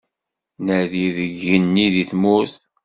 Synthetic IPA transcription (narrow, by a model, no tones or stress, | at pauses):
nəðiðəɡːənːiðiθmuθ